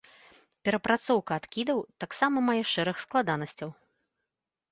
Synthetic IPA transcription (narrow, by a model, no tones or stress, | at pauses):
pʲɛɾɐpɾat̪sɔwkɐːt̪kʲid̪ɐwt̪aksamɐmajɛʂɛɾɨxsklˠad̪anɐsʲt͡sʲɐw